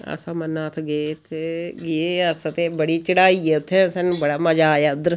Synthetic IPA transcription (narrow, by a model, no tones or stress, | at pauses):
ə̰sãːmənːaːt̪ʰɡeːt̪ʰːeɡieəsət̪eːbəɽiːt͡ʃəɽaːiːeʊt̪ʰːɛsɛnubəɽaːməd͡ʒaːjad̪ɾ